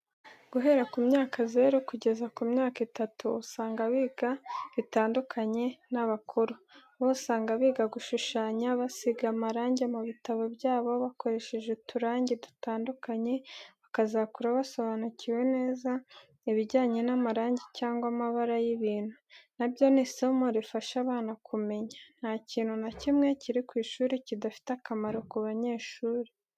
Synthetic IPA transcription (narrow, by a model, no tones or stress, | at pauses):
ɡ̥uɦe̞ɾakumɲaːkʰaze̞ːɾokuɟe̞zakumɲaːkitatuːsaːŋɡaβiɡaβitaːndukʰaɲe̞naβakʰuɾu | βosaːŋɡaβiːɡaɡuʃuʃaːɲaβasiɡamaɾaːɲɟemuβitaβo̞bɟaːβo̞βakʰo̞ɾe̞ʃeʒetʰuɾaːɲɟedu̥taːndukaɲe̞βakazakuɾaβaso̞βanuciwe̞ne̞ːza | iβiɟaːɲe̞namaɾaːɲɟecaːŋɡwamaβaɾajiβiːn̥hunabjo̞nisomoɾifaʃaβaːnakʰume̞ɲan̥haciːnhunacimŋe̞ciɾikwiːʃuːɾecidafi̥takamaɾo̞kuβaɲe̞ːʃuːɾe